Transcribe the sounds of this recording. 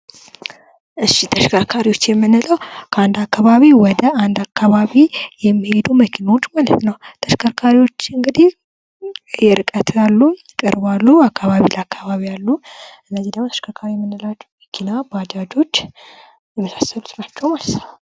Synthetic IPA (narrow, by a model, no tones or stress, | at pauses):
ʔɨʃit̪ʰəʃkʰakʰaɾiwo̞t͡ʃːjɛmːɨnɨləwkʰəand̪akːaβaβiwɔd̪əand̪akːaβaβijɛmːihe̞d̪uməkʰinawo̞t͡ʃːmalət̪nəwt̪ʰəʃkʰakʰaɾiwo̞t͡ʃːɨŋɡɨd̪ih | jɛɾɨkʼət̪ʰjalːujɪkʼɨɾbalːuakːaβaβiləakːaβaβijalːuɨnːəzid̪əmot̪ə̥ʃkʰakʰaɾijɛmːɨnːɨlat͡ʃːɛməkʰinabad͡ʒad͡ʒo̞t͡ʃː | jɛməsḁsːəlut̪nat͡ʃːɛwmalət̪n